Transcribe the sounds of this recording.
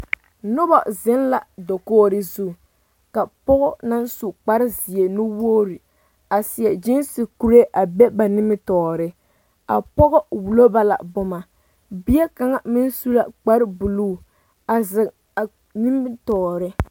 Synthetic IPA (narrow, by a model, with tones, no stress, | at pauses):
nʊ˦bɔ˨zɪ˦n˦la˨do˨koː˦ɾɪ˦zu˦˨ | ka˨pɔ˦ɣɔ˦na˦n˦su˨k͡pa˦ɾɪ˦zi˨e˨nu˦woː˦ɾi˨ | a˨sɪ˨ɛ˨d͡ʒɪ˦nsɪ˨ku˦ɾe˦ʔa˨bɛ˦ba˨nɪ˦mɪ˦tɔː˨ɾɪ˦ | a̰˨pɔ˦ɣɔ˦wu˨lo˦ba˦la̰˨bʊ˦ma˨ | bi˦ɛ˦ka˨ŋa˨mɪ˦n˦su˦la˦k͡pa˦ɾɪ˦bu˨luː˦˨ | a˨zɪ˨ŋ | a˨ | ni˦m˦tɔː˨ɾɪ˦